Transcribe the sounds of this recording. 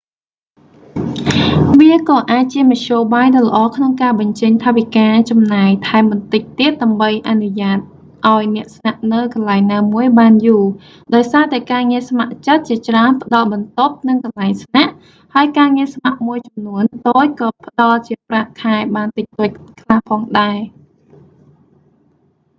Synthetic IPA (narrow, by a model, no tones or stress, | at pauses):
ʋiəkɑːʔaːc̚t͡ɕiəmɑc̪ʰɕoːɓaːjɗɑlə̆ʔɑːkʰnoŋkaːɓɑɲt͡ɕəɲt̪ʰaːʋikaːt͡ɕɑmnaɛjt̪ʰaɛmɓɑnt̪ɨc̚t̪iət̪̚ɗaəmɓəjʔanuɲaːt̪̚ | ʔaɔjnɛ̆əʔsnaʔnɨwkɑnlaɛŋnaːmuəjɓaːnjuː | ɗaɔjsaːt̪aɛkaːŋiəsmaʔt͡ɕət̪̚t͡ɕiət͡ɕraənpə̆ɗɑlɓɑnt̪op̚nɨŋkɑnlaɛŋsnaʔ | haəjkaːŋiəsmaʔmuəjt͡ɕɑmnuənt̪oːc̚kɑːpə̆ɗɑlt͡ɕiəpraʔkʰaɛɓaːnt̪ɨc̚t̪oːc̚kʰlahpʰɑːŋɗaɛ